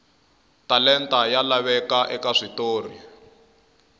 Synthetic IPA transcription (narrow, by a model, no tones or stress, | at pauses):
talɛntajalaβɛkaʔɛkaʂitoːrḭ